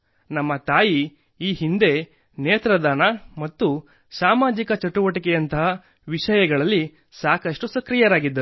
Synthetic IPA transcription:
nɐmːɐt̪aːji | iːɦind̪e̞ | neːt̪ɾɐd̪aːnɐmɐt̪ːu | saːmaːd͡ʒikɐt͡ʃɐʈuʋɐʈikɛjɐnt̪ɐɦɐ | ʋiʂɐjɐɡɐɭɐlːi | saːkɐʂʈusɐkɾijɐɾaːɡid̪ːɐɾu

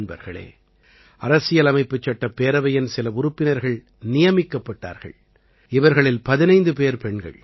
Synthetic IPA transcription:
nbɐ̰ɾɣɐɭḛː | ɐɾɐsɪjɐlɐmɐɪpːɯt͡ʃːɐʈːɐpːeːɾɐʋɐjɐnsɪlɐʊɾʊpːɪnɐɾɣɐɭ | nɪjɐmɪkːɐpːɐʈːa̰ːɾɣɐ̰ɭ | ɪʋɐɾɣɐɭɪlpɐðɪnɐɪnd̪ɯpeːɾpɛɳɡɐ̰ɭ

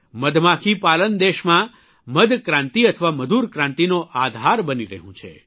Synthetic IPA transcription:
məd̪ʱmãkʰipalənd̪eʃmã | məd̪kɾãnt̪iət̪ʰəʋaməd̪ʱuɾkɾãnt̪inoʔad̪ʱaɾbəniɾəɦũt͡ʃʰḛ

